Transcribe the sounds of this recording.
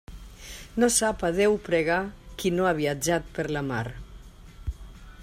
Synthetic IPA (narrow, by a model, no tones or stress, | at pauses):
nosapaðewpɾeɣ̞akinoaβiad͡ʒat̪̚pəɾlamaɾ